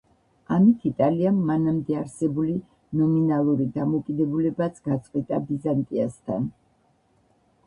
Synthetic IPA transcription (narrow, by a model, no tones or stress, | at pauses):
amit̪ʰit̪ʼaliamːanamd̪ɛaɾsɛbuli | nɔminalˠuɾid̪amɔkʼid̪ɛbulɛbat̪sʰɡ̥at̪sʼqʼwit̪ʼabizant̪ʼiast̪ʰa̰n